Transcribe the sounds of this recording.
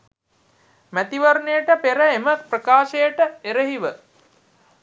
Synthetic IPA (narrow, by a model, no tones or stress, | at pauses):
mæt̪iʋaɾɳejəʈəpeɾəeməprəkaːʃəjəʈəeɾəɦiʋə